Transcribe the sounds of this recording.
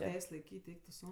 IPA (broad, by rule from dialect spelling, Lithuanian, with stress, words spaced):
ˈtʲɛɪsʲ lˠɐɪˈkʲiːtʲ ˈɛɪk tʊ ˈsɐʊ